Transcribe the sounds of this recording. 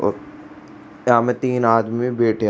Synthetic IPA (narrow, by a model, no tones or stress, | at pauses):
ɔ̰ːɾ | jãːmẽt̪iːnaːd̪mimẽbeːʈʰe